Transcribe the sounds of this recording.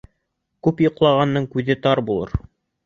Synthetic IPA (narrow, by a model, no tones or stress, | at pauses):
kʉpjŏqlˠɑʁɑnːɤɴkʉðɘt̪ɑɾbulˠɤ̰ɾ